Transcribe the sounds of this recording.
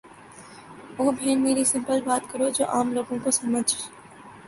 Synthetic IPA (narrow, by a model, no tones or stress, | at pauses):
ʋoːbʱeːnmeːɾisɪ̃mpəlbaːt̪kɐɾod͡ʒo̰ːʔaːmloːɡõkosɐməd͡ʒʱ